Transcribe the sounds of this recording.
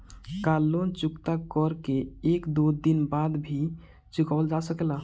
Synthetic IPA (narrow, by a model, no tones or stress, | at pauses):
kalːont͡ʃukt̪akɔɾkeekd̪od̪inbad̪bʱi | t͡ʃukaəld͡ʒasəkela